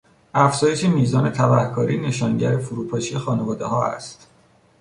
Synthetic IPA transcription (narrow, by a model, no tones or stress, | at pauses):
ʔæfz̥ɒːje̞ʃemiːzɒːne̞t̪ʰæbæhkʰɒːɾiːne̞ʃɒːŋɟæɾefuɾuːpʰɒːʃijexɒːne̞vɒːd̪e̞̰ɦɒːæ̰st̪